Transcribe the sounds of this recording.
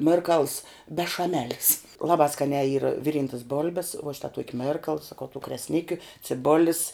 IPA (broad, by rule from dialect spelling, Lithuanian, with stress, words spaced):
ˈmʲɪrkɐlˠs bʲɛʃɐˈmʲæːlʲɪs ˈlˠɑːbɑː ˈskɑːnʲæː iːr ˈʋʲɪˌrʲiːntɐs ˈboːlʲbʲɛs ʋuɔ ˈʃʲɪtɐ ˈtuɔkʲɪ ˈmʲɛrkɐlˠ sɐˈkɐʊ tuː krʲɛsʲˈnʲɪkʲʊ t͡sʲɪˈboːlʲɪs